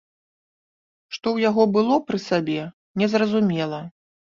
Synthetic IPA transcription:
ʂt̪ɔwjaɣɔbɨlˠɔpɾɨsabʲɛ | nʲɛzrɐzumʲɛlˠɐ

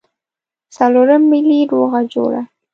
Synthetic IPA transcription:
saloɾəmːiliɾoɣad͡ʒo̰ɽa̰

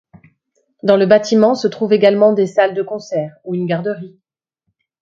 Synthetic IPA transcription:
d̪ɑ̃ləbat̪ʰimɑ̃sət̪χuveɡalmɑ̃d̪esald̪əkɔ̃sɛːʁuynɡaʁd̪əʁi

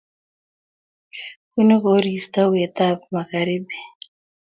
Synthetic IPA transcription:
kunikoɾist̪awɛt̪ap̚maɣaɾibi

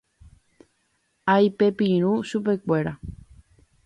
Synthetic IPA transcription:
ajpepiɾ̃ũsupekʷe̞ɾa

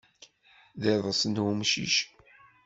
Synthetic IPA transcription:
ðeðˤəsənwumʃḭʃ

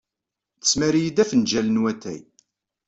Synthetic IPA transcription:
θə̥sːmæɾjid̪æfənd͡ʒælənwæt̪ːæ̰j

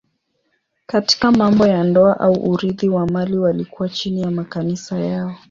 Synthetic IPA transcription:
kati̥kamambɔjandɔaʔauʔuɾiðiwamaliwalikuwat͡ʃinijamakanisajaɔ

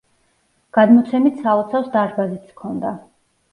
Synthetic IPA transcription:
ɡ̥ad̪mɔt̪sʰɛmit̪ʰsaɔt̪sʰafsd̪aɾbazit̪skʰɔnd̪a

